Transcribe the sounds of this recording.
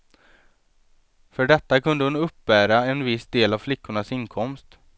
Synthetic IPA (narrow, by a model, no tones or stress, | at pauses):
fœɖɛt̪ːakʰɵnd̪əhʊnɵpːbæːɾaɛnvɪsd̪eːlavflɪkːʊɳasɪnkʰɔmst̪